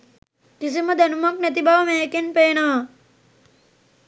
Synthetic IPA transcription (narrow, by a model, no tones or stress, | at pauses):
kis̬iməd̪ænumaknæt̪ibaʋəmeːekenpeːnɐʋa